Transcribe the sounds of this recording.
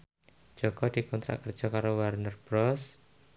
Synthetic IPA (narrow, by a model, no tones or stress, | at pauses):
d̥d͡ʒ̥ɔɡ̥ɔd̪̥i̤kɔnt̪ɾa̰ʔkərd̥d͡ʒ̥ɔkaɾowərnərbɾɔs